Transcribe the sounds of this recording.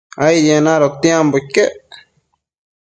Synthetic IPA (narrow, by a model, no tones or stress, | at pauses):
aijenaɾot̪jemboike